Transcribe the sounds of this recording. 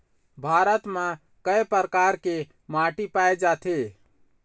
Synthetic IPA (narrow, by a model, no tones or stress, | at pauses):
bʱaːɾət̪mã | kəepəɾkaːɾke | maːʈipaːed͡ʒaːt̪ʰe